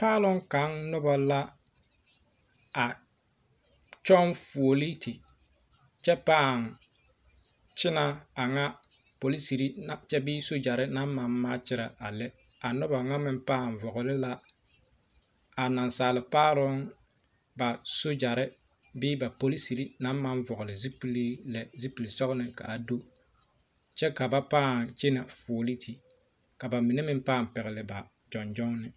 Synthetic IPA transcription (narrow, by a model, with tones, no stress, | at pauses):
paː˦lʊ˦ŋka˨˦nnʊ˦ba˨la˦ | a˨ | t͡ʃɔ˦nfu˨o˨li˦ti˨ | t͡ʃɛ˦paː˦˨ŋ | t͡ʃɪ˦na˨a˨ŋa˦ | po˨li˦si˨ɾi˦t͡ʃɛ˦bɪː˦so˦d͡ʒa˨ɾɪ˦na˦mma˨mː˦aː˦t͡ʃɪ˦ɾa˨a˨lɛ˦ | a˨nʊ˦ba˨ŋa˦mɪ˦mpaː˦˨n˨vɔ˨ɣʊ˨lɪ˦la˦ | a˨na˨nsaː˨lɪ˨paː˦ɾʊ˦ŋ | ba˨so˦d͡ʒa˨ɾɪ˦ | bɪː˦ba˨po˦li˦si˨ɾi˦na˦m˦ma˦n˦vɔ˨ɣʊ˨lɪ˨zi˦pi˦li˦lɛ˨zi˦pi˨li˨sɔ˦ɡʊ˦nɪ˨ka̰˨a˨do˦ | t͡ʃɛ˦ka˨ba˦paː˦˨nt͡ʃɪ˦na˨foː˨li˦tʰi˨ | ka˨ba˨mi˨ne˦mɪ˦m˦paː˦˨m˨pɛ˨ɣɪ˨lɪ˨ba˨ | d͡ʒɔ˨nd͡ʒɔ˦ŋ˦nɪ˨